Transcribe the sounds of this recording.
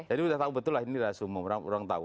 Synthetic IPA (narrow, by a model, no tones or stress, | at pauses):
d͡ʒadiudaht̪aubət̪ʊlaɦiniɾasuməuɾaŋṵɾaŋt̪a̰ṵ